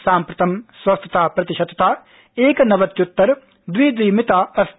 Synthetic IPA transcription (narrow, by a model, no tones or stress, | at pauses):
sãːmpɾɐt̪ʰɐmswɐst̪ʰət̪aːpɾɐt̪ɪʃɐd̪t̪aː | eːknɐʋət̪kjʊt̪ːəɾ | d̪wiːd̪wiːmɪt̪aːɐs